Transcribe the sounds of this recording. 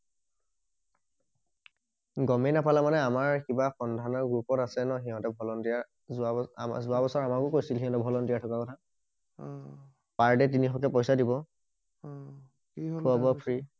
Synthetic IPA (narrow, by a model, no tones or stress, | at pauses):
ɡɔmɛnapalamanɛamaɹkibaxɔndʱanɔɹɡupɔtasɛnɔɦiɦɔ̃tɛbʱɔlɔndija | zuazuabɔsɔɹamakʊkojsilɦiɦɔ̃tɛbʱɔlɔndijatʰɔkakɔtʰa | paɹdɛt̬inixɔkɛpɔjsadibɔ | kʰuabɔpʰɹi